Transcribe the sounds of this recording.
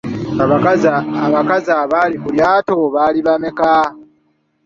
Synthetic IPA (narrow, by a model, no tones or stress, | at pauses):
aβaaaβakazaβalikuljaːtoβaliβameka